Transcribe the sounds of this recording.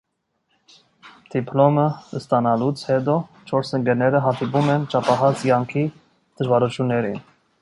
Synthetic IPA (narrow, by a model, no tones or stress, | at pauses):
d̪̥ipʰlɔməəst̪ɑnɑlut͡sʰhɛt̪ɔt͡ʃʰɔɾsəŋɡɛɾnɛɾəɦɑt̪ipumɛnt͡ʃɑpɑɦɑt͡skɑŋkʰi | d̪̥əʒvɑɾut͡ʃʰjunːɛɾin